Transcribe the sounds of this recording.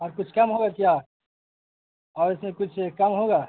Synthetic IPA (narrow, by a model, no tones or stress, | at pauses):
ɔːɾkʊt͡ʃʰkɐmɦoɡakja | ɔːɾɪsmẽkʊt͡ʃʰkɐmɦoɡaː